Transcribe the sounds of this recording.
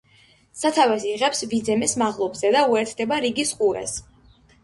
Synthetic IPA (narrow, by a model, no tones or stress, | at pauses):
sat̪ʰavɛsiʁɛpsvid̪zɛmɛsmaʁlˠɔbzɛd̪auɛɾt̪ʰd̪ɛbaɾiɡisqʼuɾɛ̰s